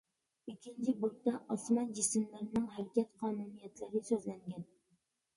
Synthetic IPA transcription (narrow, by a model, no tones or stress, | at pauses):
ikʲʰːint͡ʃʰɪbot̪ːɑʔɑsmɑnd͡ʒismlɪɾɪnɪŋɦæɾɪkʲɛt̪qʰɑːnunijɛt̪ʰlɪɾɪsøzlæŋɡʲɛn